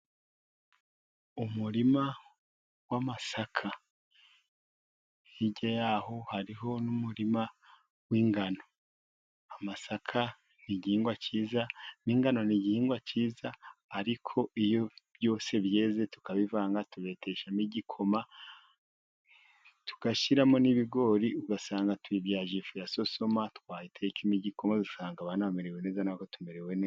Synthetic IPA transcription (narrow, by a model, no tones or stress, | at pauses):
umuɾima | wamasakʰa | hiɟajaːho̞haɾiɦo̞numuɾima | wiŋɡano̞ | amasakʰa | niɟiːŋɡwaciːzaniŋɡano̞niɟihiːŋɡwat͡ʃiːzaːɾikʰo̞ijo̞β̥jo̞ːse̞βje̞ːze̞tu̥kaβivaːŋɡatuβe̞te̞ʃamiɟikʰo̞ma | tu̥ɡ̥aʃiɾamoniβiɡo̞ːɾiuɡasaːŋɡatwivjaːʒifujaso̞so̞matkwaːjitʰeikimiɟiko̞mazusaːŋɡaβanaβameɾewene̞ːzanakotumeɾeweneːa